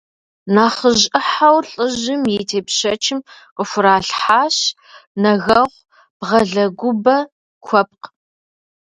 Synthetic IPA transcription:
naːχəʑʼɪħawɬʼɨʑɪmjɛtʰeːpʃɐt͡ʃʰɪm | qəfʷʊɾaːɬħaːɕ | nɐɣɐʁʷ | b̥ʁɐɮɐɡʷʊbɐ | kʷʰɔp̚q

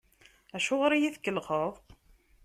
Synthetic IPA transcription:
æʃʊʁɾijiθkːəlʁəðˤ

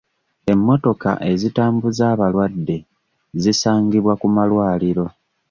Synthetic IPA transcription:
e̞mːo̞to̞ka̰ʔe̞zitaːmbuzaːβalwadːe̞ | zisaːŋɡiβwakumalwaːliɾo̞

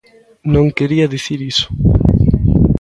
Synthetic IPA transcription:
nõŋkeɾiɐðiθiɾisʊ̥

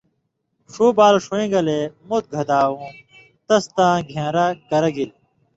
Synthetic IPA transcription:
ʂoːbaːlʂuẽːɡɐlemot̪̚ɡʱɐd̪aːwũː | t̪ɐst̪ãːɡʱãːɾakɐɾɐɡil

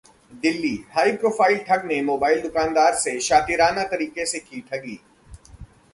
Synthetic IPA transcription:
d̪ɪlːiːhaːipɾoːfaːɪlʈʰɐɡnemoːbaːɪld̪ʊkãːnd̪aːɾseʃaːt̪iɾaːnat̪ɐɾiːkesekiːʈʰɐɡiː

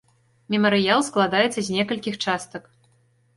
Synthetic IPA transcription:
mʲɛmɐɾɨjalˠsklˠad̪ajɛt̪sːɐzʲnʲɛkɐlʲkʲixt͡ʂast̪ɐk

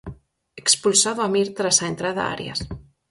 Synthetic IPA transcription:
ekspulsaðoamiɾt̪ɾasaent̪ɾaða̰a̰ɾj̰a̰s

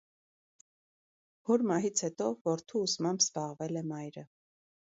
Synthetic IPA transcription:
vɔɾmɑɦit͡sʰhɛt̪ɔvɔɾt̪ʰuːsmɑmbz̥bɑʁvɛlɛmɑjɾə

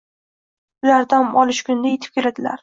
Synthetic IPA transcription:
ʊlaɾd̪amɒlɪʃkʲʊnd̪ajet̪ʰɪ̥p̚kʲʰe̞lad̪ɪla̰ɾ

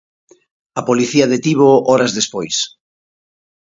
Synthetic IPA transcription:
ɐpoliθiaðet̪iβoɔɾazðespojs

